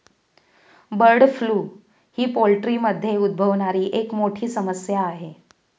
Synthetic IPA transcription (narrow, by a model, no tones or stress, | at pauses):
bəɾɽfluː | hiːpolʈɾiməd̪ʱːjeud̪̚bʱəʋɳaɾiːʔekmoʈʰiːsəməsjaːɦe